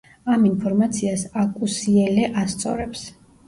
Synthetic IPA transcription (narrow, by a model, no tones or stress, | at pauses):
aminpʰɔɾmat̪sʰiasakʼusiɛlɛʔast̪sʼɔ̰ɾɛps